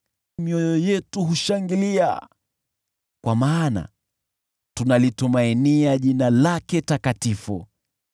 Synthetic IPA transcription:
miɔjɔjɛtuɦuʃaŋɡilia̰ | kwamaːna̰ | tunalitumainiaʄinalakɛtakatifu

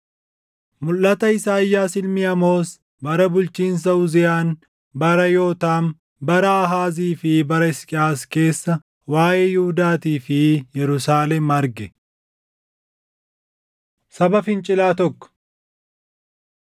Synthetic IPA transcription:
mʊlːɐt̪ɐɪsaːjːaːsɪlmɪɐmo̞ːs | bɐɾɐbʊlt͡ʃiːns̬ɐʊzɪjaːn | bɐɾɐjo̞ːt̪aːm | bɐɾɐɐɦaːziːfɪbɐɾɐɪskʼɪaːske̞ːsːɐ | waːʔeːjuhʊd̪aːt̪iːfɪjɛɾʊsaːlɛmɐɾɡɛ | sɐbɐfɪnt͡ʃʼɪlaːt̪ɔkːɔ̥

